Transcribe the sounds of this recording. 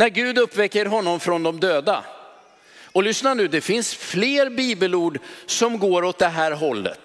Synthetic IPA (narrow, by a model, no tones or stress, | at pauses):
næɾɡʉ̟ːd̪ɵpːvɛkːəɾɦɔnːɔmfɾɔnd̪ɔmd̪øːd̪a̰ | ɔlʏsnanʉ̟ːd̪ɛfɪnsfleːɾbiːbəluːɖsɔmɡoːɾɔt̪̚d̪ɛɦæːɾɦɔlːə̰t̪